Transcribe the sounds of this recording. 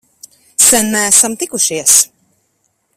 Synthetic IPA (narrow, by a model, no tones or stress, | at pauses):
sɛnːææsamt̪ikuʃiɛs